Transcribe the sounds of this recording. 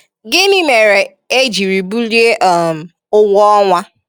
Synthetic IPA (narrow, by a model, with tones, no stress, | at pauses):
ɡɪ˦ni˦me˨ɾe˨ | e˦d͡ʒi˨ɾi˨bu˦lje˦ʔɔ˦m̩˨ | ʊ˦wɔ˦ŋʷa˦